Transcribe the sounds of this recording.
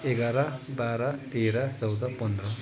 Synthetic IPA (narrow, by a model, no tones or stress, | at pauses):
eɡaɾabaːɾat̪eːɾat͡sʌwd̪apʌnd̪ɾʌ